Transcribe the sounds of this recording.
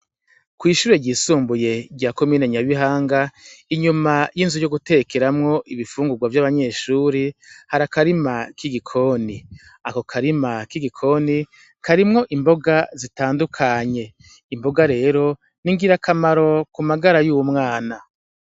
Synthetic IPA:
kwiːʃuːɾeɟiːsuːmbuje̞ɟɟaːko̞miːneɲaβiɦaːŋɡaiɲumajinzujoɡute̞keɾamŋo̞ʔiβifuːŋɡuɡwavjaβaɲe̞ːʃuːɾihaɾakaɾimakiɡikʰo̞ni | ako̞kʰaɾimakiɡikʰo̞ːni | kaɾimŋo̞ʔimbo̞ɡazitaːndukʰaɲe̞ | imbo̞ɡaɾe̞ːɾo̞ | niŋɡiɾakʰamaɾo̞kumaɡaɾajuːwumŋaːna

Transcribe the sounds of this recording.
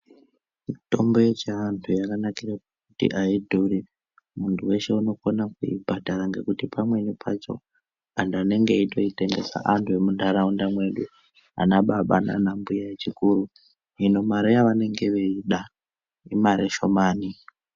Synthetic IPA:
mito̞mbo̞jet͡ʃeantʰujakanakirakokkutḭʔaidʱuri | muntʰuwe̞ʃe̞uno̞konakuḭbʱadʱaɾaŋɡe̞kutipʰamwe̞nipʰat͡ʃo̞̰ | andane̞ŋɡe̞ito̞ite̞ŋɡe̞sa̰ʔantʰue̞mundaɾaundamwe̞ɗu | a̰naɓaɓa̰na̰nambujajet͡ʃikuɾu | ɦino̞maɾejaʋane̞ŋɡe̞ʋeiɗa | imaɾeʃo̞maːni

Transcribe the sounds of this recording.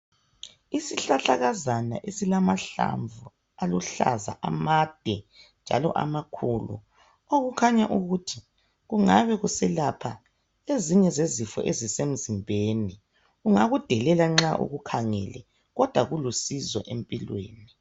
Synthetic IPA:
isiɬaɬaɣazana̰ʔesilamaɬa̰ɱvu | aluɬa̰za̰ʔamad̥ʱɛnd͡ʒʱa̰lɔ̰ʔa̰makʰuːlṵ | oɣukʰaɲaʔuɣutʰi | ɣuŋaβɛɣusɛlapʰa | eziɲɛzezifɔ̰ʔezisem̩zimbʱeni | ɣuŋaɣud̥ʱɛlɛlaŋ͡ǁaʔṵɣukʰaŋɛ̰lɛ̰ | ɣɔd̥ʱwaɣulusizɔ̰ʔempʼilwḛːni

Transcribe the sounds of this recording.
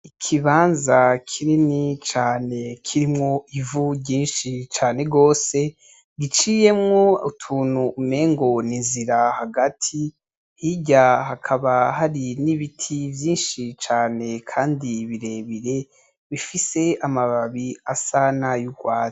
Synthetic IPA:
ikʰiβaːnzakʰininit͡ʃaːne̞kʰiɾimŋo̞ivuɟiːnʃit͡ʃaːne̞ɡo̞ːse̞ | ɡit͡ʃije̞mŋo̞utʰuːn̥huːme̞ːŋɡo̞ninziɾahaɡatʰi | hiɟahakʰaβaɦaɾiniβitʰivjiːnʃit͡ʃaːne̞kʰaːndiβiɾe̞ːβiɾe̞ | βifise̞amaβaβiasanajuɡwaː

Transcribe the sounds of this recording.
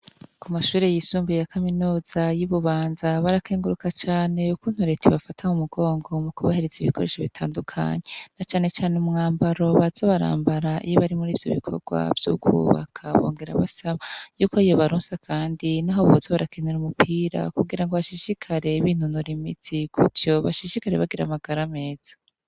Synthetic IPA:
kumaʃuːɾe̞jisuːmbujakaminuːz̥ajiβuβaːnzaβaɾakʰeːŋɡuɾukat͡ʃaːne̞ukuːn̥huɾe̞tʰiβafatʰaŋumuɡo̞ːŋɡo̞mukuβaheɾezeiβikʰo̞ɾeʃoβitʰaːndukʰa̰ɲe̞nat͡ʃaːne̞t͡ʃaːneumŋaːmbaɾo̞βaz̥oβaɾa̰ːmbaɾaʔiiβaɾimuɾiːvjo̞̰βikʰo̞̰ɡ̥wa̰vjṵkṵːβa̰kʰaβo̞̰ːŋɡe̞ɾa̰βasaβajuːkoijo̞βaɾuːnsakʰaːndinaɦoβozaβaɾakeneɾumupʰiːɾa̰kuɡiɾaŋɡoβaʃiʃikʰaɾe̞iβiːn̥hunoɾimitʰikutjo̞βaʃiʃikaɾeβaɡiɾa̰maɡaɾame̞ːz̥ḁ

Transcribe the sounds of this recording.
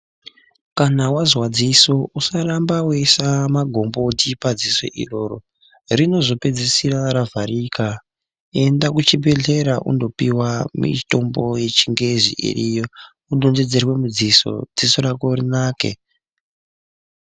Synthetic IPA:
kanawazwad͡ziso̞ʔusarambawesamaɡʱo̞mbo̞tipad͡ziso̞̰ʔḭro̞ːro̞̰ | rino̞zo̞pe̞d͡zisiɾaɾavaɾika | e̞ndakut͡ʃibʱe̞ɮe̞ɾaʔṵndo̞piwamḭto̞mbo̞je̞t͡ʃiŋɡe̞zḭʔḭrijo | uɗo̞nde̞d͡ze̞rwe̞mud͡ziso̞̰d͡ziso̞ɾakorinaːke̞̰

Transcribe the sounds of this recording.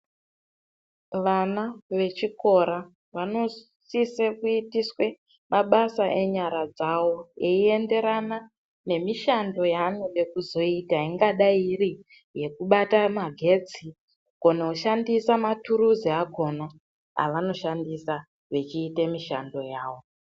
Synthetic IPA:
ʋanaʋe̞t͡ʃiko̞ɾa | ʋano̞ | sisekuitiswe̞ | maɓasaʔe̞ɲaɾad͡zawo̞eie̞nde̞ɾana | ne̞miʃando̞janojekuzo̞itaiŋɡaɗairi | je̞kuɓatamaɡʱe̞t͡si | ɡ̥ʱo̞neuʃandisamatuɾuziaɡʱo̞na | a̰ʋano̞ʃandisa | ʋe̞t͡ʃiːtemiʃa̰ndo̞jaːwo̞

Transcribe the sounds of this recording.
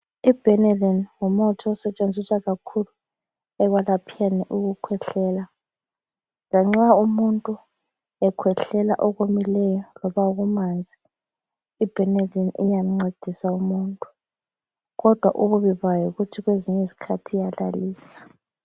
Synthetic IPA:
ib̥ʱɛnɛlɛnŋumɔtʰɔːsɛt͡ʃʼend͡zʱiswaɣakʰulu | ɛɣwalapʰijanɛʔuɣukʰwɛɬɛːla | laŋ͡ǁaumuntʼu | ɛkʰwɛɬɛla̰ʔɔɣomilɛjɔlɔβaɣumand͡zʱi | ib̥ʱɛnalɛnḭjam̩ŋ͡ǀed̥ʱisaumuntʼu | ɣɔd̥ʱwaʔuβuβiβajɔɣutʰiɣweziɲɛizikʰatʰijalaliːsḁ

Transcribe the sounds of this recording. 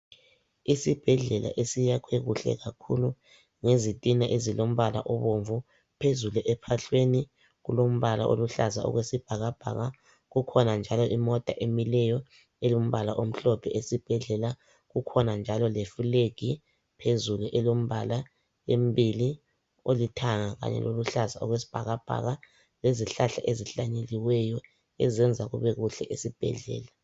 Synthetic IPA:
isib̥ʱɛɮɛla̰ʔesijakʰweɣuɬɛ̰ɣakʰṵlu | ŋezitʼinaʔezilom̩βala̰ʔɔβoɱvu | pʰezuluʔɛpʰaɬweni | ɣulom̩βala̰ʔo̰luɬazaɔ̰ɣwesib̥ʱaɣab̥ʱa̰ɣa | ɣukʰɔnand͡ʒʱalɔʔimɔtʼaʔemilɛjɔ | ɛlom̩βalaʔom̩ɬɔpʰɛʔesib̥ʱɛɮɛla | ɣukʰɔnand͡ʒʱalɔlefuleɡ̥ʱi | pʰezuluʔɛlom̩βala | embʱili | olitʰaŋaɣa̰ɲɛ̰lʔoluɬazaɔ̰ɣwesi̥b̥ʱa̰ɣab̥ʱa̰ɣa | leziɬaɬa̰ʔeziɬaɲeliwɛjɔ | ɛzɛnd͡zʱaɣṵβɛɣuɬɛʔesib̥ʱɛ̰ɮɛ̰ːla

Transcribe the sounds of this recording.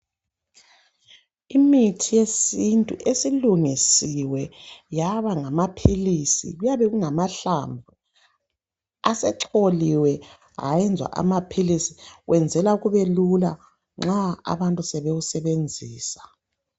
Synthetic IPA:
imitʰijesintʼuʔesiluŋisiwɛjaβaŋamapʰilisḭɣujaβɛɣuŋamaɬa̰ɱvʱu | asɛǁoliwɛ | a̰jɛnd͡zʱwa̰ʔa̰mapʰilisi̥ɣwɛnd͡zʱɛlauɣuβelula | ŋ͡ǁaa̰βantʼusɛβeɣusɛβend͡zʱiːsḁ

